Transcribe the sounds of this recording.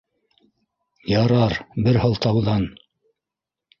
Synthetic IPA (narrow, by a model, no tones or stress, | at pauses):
jɑɾɑɾbɘɾhɤlˠt̪ɑwðɑn